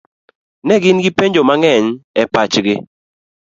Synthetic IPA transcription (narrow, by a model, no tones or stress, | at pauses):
nɛɡɪnɡɪpeɲd͡ʒomaŋɛɲɛpat͡ʃɡɪ